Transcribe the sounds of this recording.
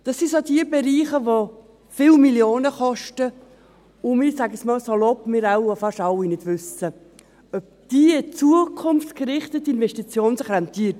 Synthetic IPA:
d̥ɑsisodiəbɛɾiːχəʋo | fɪlmiljoːnəχɔʃtə | ʊmɪɾsæɡəsmɑːlsolɔpmɪɾawofɑʃɑwinɪd̥vʉsə | œp̚d̥iːt͡suəkʰʊmftkɾɪχtətːɪnvɛʃtit͡sjoːnsəχɾant̪iːət

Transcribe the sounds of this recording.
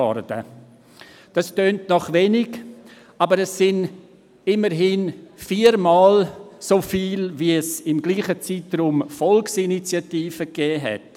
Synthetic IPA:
ɔ̰ɾdə̰ | d̥ɑstøːntnɔχvenɪɡ | ɑbəɾɛsɪn | ɪməɾɦinfiːəɾmɑːlsofiːlviɛsɪmɡliːχət͡siːtrumfɔlksinit͡sjatiːfəkɛːɦɛ̰t

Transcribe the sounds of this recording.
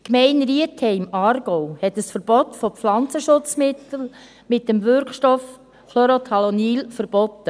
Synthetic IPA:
kmɛɪnɾiəthɛɪmɑːɾɡ̥ɔwhɛtəsfəɾb̥ɔtfoflɑnt͡səʃʊt͡smɪt̪l̩ | mɪt̚dəmvʏɾkʃtɔf | kʰloɾot̪ʰɑloniːlfəɾb̥ɔtːə

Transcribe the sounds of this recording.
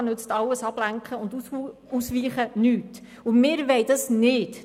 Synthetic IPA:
nʉt͡stɑlːəsɑb̥læŋkχəʊnd | usʋiːχənyːt | ʊmɪːɾʋɛɪdɑsnɪt

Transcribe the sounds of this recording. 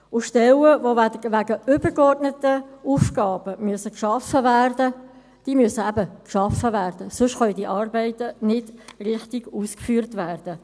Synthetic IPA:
ʊʃtɛləvoæʋæɡəʏbəɡɔrdnətəuːfɡ̥ɑːbəmyəsəkʃɑfəvæːrdə | d̥iːmʏsəæbəkʃɑfəvæːrdəsʊʃχœldiːʔɑːrbɛɪtənɪd̥rɪχtɪɡuːskfyːɾtvæːrd̥ə

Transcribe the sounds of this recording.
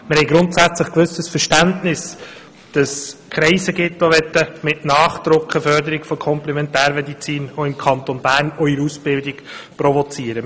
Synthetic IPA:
mɪɾhɛɪɡɾʊntsæt͡sləχkʋɵsəsfəɾʃtæntnɪs | d̥ɑskʰχɾɛɪsəɡɪt̪ːoʋɛt̪ːəmɪtnɑːχt̪ɾʊkχəfœɾdəɾɪɡfɔkʰɔmplɛmɛntæːɾmɛdit͡siːnoɪmkʰɑntonbæːɾnɔiɾusb̥ɪldɪɡprɔvɔt͡siːəɾə

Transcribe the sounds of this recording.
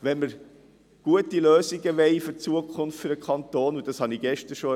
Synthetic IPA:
ʋɛnməɾ | ɡ̥uətiløːsiɡəʋɛɪfʏɾt͡suəkʰχʊnftfʏɾəkʰχɑnt̪oːnud̥ɑshɑniɡ̥ɛʃtəɾʃo

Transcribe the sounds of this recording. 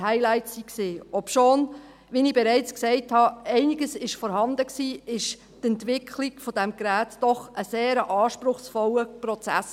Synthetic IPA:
hæɪlæɪtsiksiːɔpʃoːn | ʋinɪb̥ɛɾæɪt͡sksɛɪthɑɛɪnɪɡəsɪʃfɔːɾhɑnd̪əksiːɪʃ | tɛntʋɪkʰliɡfɔd̥ɛmɡɾæːtd̥ɔχʔəseːɾəʔɑːʃpɾʊχsfɔləpɾɔt͡sæ̰s

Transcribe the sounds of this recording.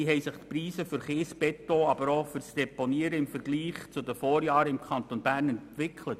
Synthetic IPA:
iɦɛɪsɪχt̪priːsəfʏɾχɪːsbɛtoɑbəɾofʏɾsd̥ɛponiəɾəɪmfəɾɡliːχt͡sʊdəfɔːɾjɑːɾəɪmkʰχɑnt̪onbæːrnɛntʋɪkʰlət

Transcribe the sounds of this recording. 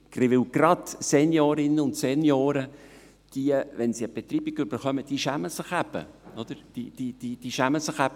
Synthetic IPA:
ɡ̥rɪʋɪwɡ̥rɑd̪sɛnjoːɾɪnəʊnt̪sɛnjoːɾə | d̥iəʋɛnsiəb̥ɛt̪ɾiːbiɡʏb̥əɾχœməd̥iʃæməsɪχæb̥ə̰ɔd̥̪əɾd̥id̥id̥id̥iːʃæməsɪχæb̥ə

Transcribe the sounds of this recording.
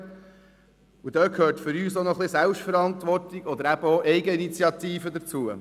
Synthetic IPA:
ud̪øːkʰhøːɾtfʏɾyːsonɔχlɪsælpʃfəɾɑnt̪ʋɔrtiɡ̥ɔd̪əɾæb̥əoʔɛɪɡəinit͡siɑt̪iːfəd̪əɾt͡suə

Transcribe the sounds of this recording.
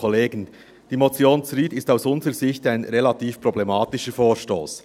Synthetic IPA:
ɔleːɡən | d̥iːmot͡sjoːnt͡sɾiːtɪstaʊsʊnzəɾəzɪçtaɪnɾelɑtiːfpɾ̥oblɛmɑːtɪʃəfoːɹʃto̰ːs

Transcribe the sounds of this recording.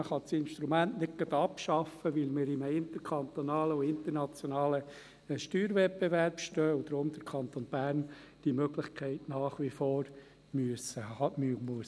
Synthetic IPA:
əχɑt͡sɪnʃt̪ɾumæntnɪk̚ɡ̥ɑd̪ɑpʃɑfːəʋɪlmɪɾɪməɪnt̪əɾkʰɑnt̪onɑːləʊɪnt̪əɾnɑt͡sjonɑːlə | ʃtyːɾʋɛt̚b̥eʋæɾpʃtœːʊd̪ɾʊmd̪̥əɾkʰɑnt̪onb̥æːɾn | d̥imøɡlɪχkʰɛɪtnɑːχʋifoːɾ | myəsəɑmmuəs

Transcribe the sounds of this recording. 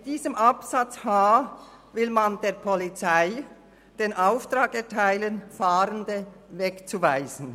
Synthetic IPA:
mɪd̥iːzəmʔapsat͡shaː | vɪlmandeːɐpʰɔlit͡saɪ | d̥eːnʔaʊftʁaːkɛɐtʰaɪlənfaːɾəndəvɛkt͡suvaɪz̥n̩

